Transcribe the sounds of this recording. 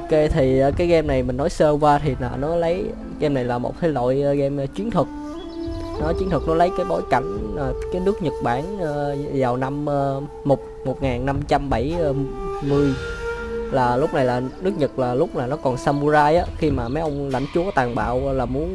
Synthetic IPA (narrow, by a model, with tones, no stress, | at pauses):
ka˨˧˦t̪ʰi˨˩ʔːkaː˨˦jɣɛ˧mna˨˩jmï˨˩ŋ̟nɔ˨˦jsəː˧kwaː˧t̪ʰi˨˩a˨˩nɔ˨˦lə˨˦j | ɣɛ˧mna˨˩jlaː˨˩mo̰˨˩t̚t̪ʰə˨˦jlo̰˧˨jɣɛ˧mː˧t͡ɕwi˨˦ənt̪ʰɨ˨˩k̚ | nɔ˨˦t͡ɕwi˨˦ənt̪ʰɨ˨˩k̚nɔ˨˦lə˨˦jkaː˨˦jɓo̰˧˩jka˧˩jŋ̟ː˨˩kaː˨˦jnɨ˦˥k̚ɲə˨˩t̚ɓaː˧˩nː˧zaː˨˩wna˧mʔə˧ | mo˨˩t̚mo˨˩t̚ŋaː˨˩nːa˧mt͡ɕa˧mɓa˧˩jmɨ˨˧əj | laː˨˩lʊ˦˥k͡p̚na˨˩jlaː˨˩nɨ˦˥ək̚ɲə˨˩t̚laː˨˩lʊ˦˥k͡p̚laː˨˩nɔ˨˦kɔ˨˩nsaː˧mu˧zaː˧jʔaː˨˦xi˧maː˨˩ma˨˦ʔə˧wŋ͡mla̰˧˩jŋ̟t͡ɕu˨˦ə˦t̪aː˨˩ŋɓa̰ː˧˨wlaː˨˩mu˨˦ən